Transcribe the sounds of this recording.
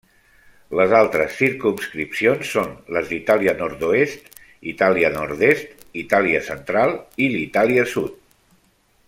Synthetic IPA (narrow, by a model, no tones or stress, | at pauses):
ləzalˠt̪ɾəsːiɾkumskɾipsionsːonləzd̪it̪aliənɔɾt̪uest̪ | it̪aliənɔɾt̪est̪ | it̪aliəsənt̪ɾalˠilit̪aliəsut̪